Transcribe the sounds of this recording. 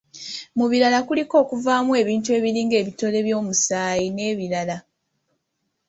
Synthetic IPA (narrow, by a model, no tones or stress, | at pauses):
muβiɾalakuliko̞ːkuvaːmwe̞ːβiːntue̞ːβiɾiːŋɡe̞ːβito̞le̞βjo̞ːmusaːjine̞ːβiɾala